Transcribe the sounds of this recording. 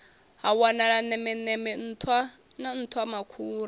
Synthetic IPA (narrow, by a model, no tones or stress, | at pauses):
ɦawanaɺanɛmɛnɛmɛn̩ːtʰwa | nan̩t̪ʰwamakʰuːɾa